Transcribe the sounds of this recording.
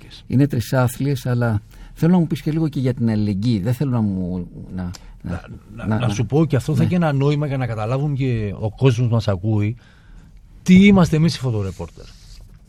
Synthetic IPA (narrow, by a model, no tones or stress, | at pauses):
ḭne̞t̪ɾisɐflie̞sɐlɐ | θe̞lonɐmupisceliɣoce̞ʝɐt̪inɐlile̞ɲɟiðeθe̞lonɐmunɐ | nnɐsupo̞ceɐft̪oθɐiçenɐno̞imɐʝɐnɐkɐt̪ɐlɐvuŋce̞o̞̰ko̞zmo̞zmɐsɐkui | t̪iimɐst̪emisi̥fo̞t̪o̞ɾepo̞ɾt̪eɾ